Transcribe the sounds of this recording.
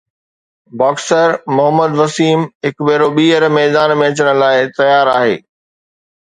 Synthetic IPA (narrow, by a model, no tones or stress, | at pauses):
baːksəɾmʊɦəmːəd̪ʋɐsiːmɦɪkbeːɾoɓiːəɾmɛːd̪aːnmẽɐt͡ɕəɽ̃ʊ̆laːɪt̪ɐjaːɾaːɦḛː